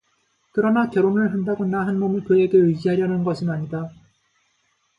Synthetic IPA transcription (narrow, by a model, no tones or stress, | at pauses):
kɯɾʌnakjʌɾonɯɭɦandaɡonaɦanmomiɭkɯe̞ɡe̞ɯd͡ʑiɦaɾjʌnɯnɡʌsʰɯnaɲida